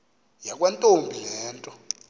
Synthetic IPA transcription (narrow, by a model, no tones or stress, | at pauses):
jak̬ʼwantʼombʱilɛːntʼɔ